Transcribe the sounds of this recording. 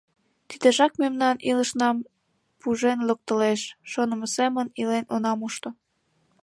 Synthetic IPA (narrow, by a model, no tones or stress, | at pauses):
t̪id̪eʒɑkmemnɑniləʃnɑm | puʒenlok̚t̪əleʃʃonə̆məsemənilenonɑmuʃt̪o